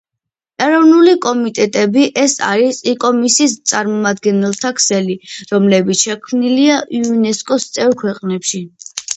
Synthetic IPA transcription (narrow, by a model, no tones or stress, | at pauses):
ɛɾɔvnulikʼɔmit̪ʼɛt̪ʼɛbiʔɛsa̰ɾisikʼɔmisiːst̪sʼaɾmɔmad̪̚ɡɛnɛlˠt̪ʰakʰsɛliɾɔmlɛbit̪sʃɛkʰmniliaʔiunɛskʼɔst̪sʼɛvɾkʰwɛqʼnɛpʃi